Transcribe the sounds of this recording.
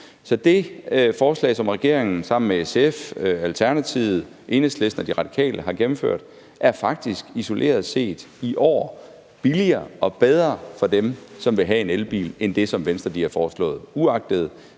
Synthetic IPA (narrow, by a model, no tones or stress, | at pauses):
sɒ̽d̥e̝fɒːslɛ̰ɪsɒ̽mʁɛɡ̥e̝ɐ̰eŋn̩sɑ̈m̰n̩meeseføælt͡sʰæɐnæt͡sʰiʊð̩ˠ | ʔe̝ːnəsle̝sd̥nɐd̥iʁɑ̈d̥i̥kʰɛ̰ːlʔəɦɑ̈ɡ̥em̩fø̰ɐ̰d̥ | ʔæɐfɑ̈ɡ̥̚d̥isɡ̥iso̝lʔe̝̰ːɐð̞ˠse̝̰ːd̥ | iʔɒ̰ː | b̥iliɐːɒ̽b̥eð̞ˠʁɐːfɒ̽d̥emsɒ̽mʋe̝ɦæe̝nelb̥ḭːlend̥e̝sɒ̽mʋensd̥ʁɐd̥iæfɒːslɔ̰̽ːð̩ˠuɑ̈ɡ̥̚d̥əð̞̩ˠ